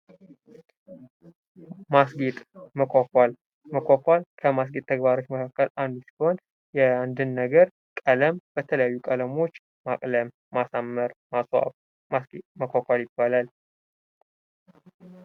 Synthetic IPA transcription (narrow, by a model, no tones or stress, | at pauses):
masɡet̪ʼməkakal | məkʷakʷalkʰəmas̬ɡet̪̚ʼt̪ʰːəɡbaɾo̞t͡ʃːməkʰakːəlʔand̪usi̥ho̞n | jɛand̪ɨnːəɡəɾ | kʼələmb̥ət̪ʰələjajːukʼələmo̞t͡ʃː | makʼləm | masamːəɾmasa̰ | masɡməkʷakʷaljɪbːalal